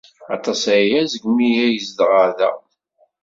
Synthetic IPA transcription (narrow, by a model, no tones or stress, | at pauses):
ɑ̰t̪ˤɑsæjæzəɡmijæjəzd̪ʁaðæ̰